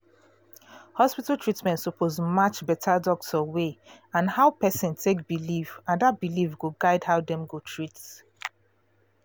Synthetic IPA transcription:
hɔspitltʰɹitmɛ̃ntsupʰozmat͡ʃbɛtʰadɔɡsəweãnhaʊpɛsĩntʰek̚bilivãndat̚bilivɡoɡaɪdhaʊdɛ̃mɡotʰɹits

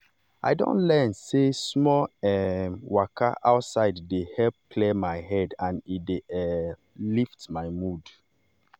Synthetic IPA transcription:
a̰ɪdõ̰ntlɛ̃nsesmɔɛmwakʰa̰ʔaʊtsaɪddehɛlp̚kʰlemaɪɦɛdãnideɛ | liftmaɪmud

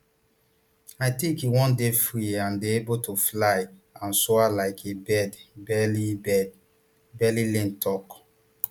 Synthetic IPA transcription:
aɪtĩŋkiwɔ̃ndefɹiãndeebotʰoflaɪãnsoalaɪkʰebɛdbɛlibɛd | bɛlilɛ̃ntʰɔk

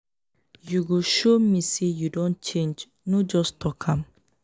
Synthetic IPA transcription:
juɡuʃomisejudõnt͡ʃẽnd͡ʒ | nod͡ʒɔstʰɔkʰãm

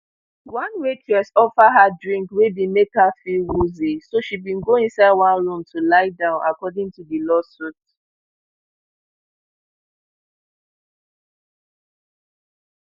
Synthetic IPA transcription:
wãnwet͡ʃʰɛsɔfaɦadɹĩŋkwebimekafiwuzisoʃibĩnɡoĩnsaɪdwãnɹũmtʰulaɪdãʊ̃nʔakɔdɪ̃ŋtudilɔsut

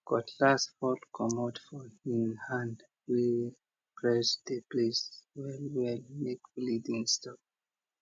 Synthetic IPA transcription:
kɔtʰlasfɔlkʰɔmɔdfɔĩnhãnd | wi | kɹɛsdepleswɛlwɛlmekblidĩŋstɔp

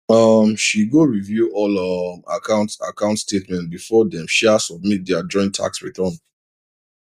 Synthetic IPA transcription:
ʌmʃiɡoɹivjuɔlʌma̰kʰãʊ̃nta̰kãʊ̃ntstetmɛ̃nt̚bifɔdɛ̃mʃɛasɔb̚mit̚dɛad͡ʒɔ̃ɪ̃ntʰa̰ksɹitʰɔ̃n

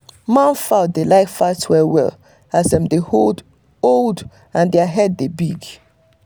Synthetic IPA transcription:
mãnfaʊtdelaɪkfatwɛwɛ̰l | azdɛ̃mdehold | olˠd | ãndɛaɦɛdːebiɡ

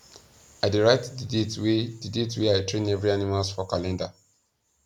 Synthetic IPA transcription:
aɪdiɹaɪtdidtdidetweaɪtɹẽnɛvɹianimalsfɔkalɛ̃nda

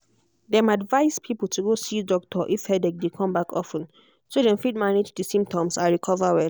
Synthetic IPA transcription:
dɛ̃madvaɪspʰipəl̩tʰuɡosidɔk̚tʰɔʔifhɛdɛk̚dekʰɔ̃mbakʰɔfə̃n | sodɛ̃mfit̚maned͡ʒdisĩmp̚tɔ̃msaɹikʰɔvawɛl

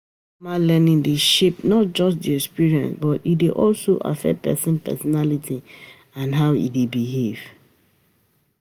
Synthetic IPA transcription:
malɛnĩŋdeʃep̚nɔt̚d͡ʒɔs̬diɛkspiɹiɛ̃nsbɔtideʔɔlsoʔa̰fɛ̰t̚pɛ̰sə̃npɛ̰sɔnalitʰi | ãnɦaʊḭdebiɦev̥

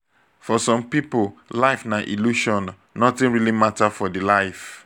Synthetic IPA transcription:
fɔsɔ̃mpipolaɪfnaʔḭluʃɔ̃n | nɔtĩnɹilimatafɔdilaɪf

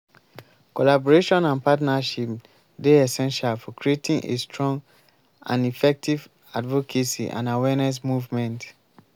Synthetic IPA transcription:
kɔlabɔɹeʃɔ̃nãnpatnaʃip | deɛsɛ̃nʃalfɔkɹietĩŋʔḛstʰɹɔ̃ŋɡ | ã̰nifɛk̚tʰiv | advɔkʰesḭʔã̰nawɛnɛs̬muvmɛ̃nt

